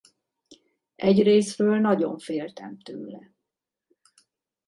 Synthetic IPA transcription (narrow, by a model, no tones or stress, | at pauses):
ʔɛɟreːsrøːlnɒɟo̞̰ɱfeːlt̪ɛmt̪ø̰ːlɛ